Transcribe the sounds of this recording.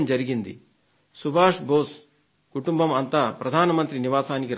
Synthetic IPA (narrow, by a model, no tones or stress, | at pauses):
md͡ʒɐɾiɡind̪ḭ | subʱaːʂbʱoːs | kuʈumbɐmɐnt̪ɐpɾɐd̪ʱaːnɐmɐnt̪ɾiniʋaːsaːnikeɾ